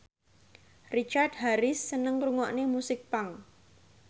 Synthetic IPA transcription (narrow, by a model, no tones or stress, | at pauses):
rit͡ʃard̚ɦaɾɪsːənəŋkɾuŋɔʔnemusɪk̚paŋ